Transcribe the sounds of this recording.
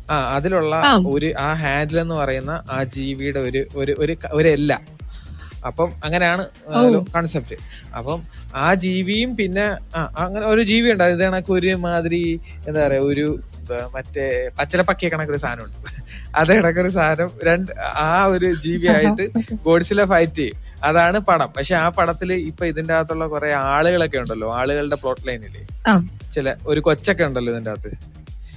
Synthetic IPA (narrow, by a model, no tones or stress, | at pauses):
aːɐðiluɭːɐo̞ɾuʔaːɦaːndile̞nːɨpɐrɐjunːɐʔaːd͡ʑiːʋijuɽe̞o̞ɾuoɾuʔoɾukoɾelːɐ | ɐpːɐmɐŋːɐnejaːɳɨ | ɐðilokɐɳsep̚tːɨ | ɐ̰pːɐmaːd͡ʑiːʋijumpinːe̞aːʔɐŋːɐneo̞ɾud͡ʑiːʋijuɳɖaːiðɳɐkːeo̞ɾumaːðiɾi | end̪aːɐrɐjo̞ɾu | mɐtːepɐt͡ɕːɐlɐpɐkːijekːɐɳɐkːoɾust̪ʰaːnɐmuɳɖɨɐðeiɽɐk̬ːoɾust̪ʰaːnɐmɾe̞ɳɖɨaːoɾud͡ʑiːʋijaːjiʈːɨɡo̞ːɽisilefɐjtːiju | ɐðaːɳɨpɐɽɐmpɐkʂeaːpɐɽɐt̪ːilɨipːoːiðundaːt̪̬ːuɭːɐkureaːɭuɣɐɭo̞kːe̞uɳɖɐlːo̞ːaːɭuɣɐɭɨɽe̞pro̞ːʈːlɐjnilːḛt͡ɕːilɐo̞ɾukot͡ɕːo̞k̬ːe̞uɳɖɐlːoiðinda̰ːt̪ːɨ